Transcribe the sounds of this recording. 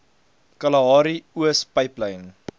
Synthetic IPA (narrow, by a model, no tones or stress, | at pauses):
kɐlɐɑːɾiuəspəjpləjn